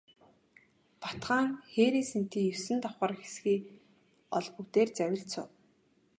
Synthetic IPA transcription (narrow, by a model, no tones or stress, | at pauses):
pḁt̪χaːŋxeːɾiːsen̥t̪iːŋjɵwsɘ̆nt̪ɔχəːrxe̥sxiː | ɔɮput̪eːrt͡sæwʲɪ̆ɮt͡sʰʊ̰ː